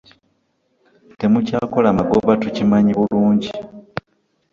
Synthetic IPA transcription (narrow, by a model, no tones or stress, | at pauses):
te̞mucaːko̞lamaɡoβatucimaɲiβuluːɲɟi